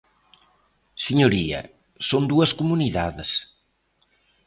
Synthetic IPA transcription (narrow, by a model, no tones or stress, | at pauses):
siɲoɾiɐ̰ | sond̪uɐskumuniðaðɪs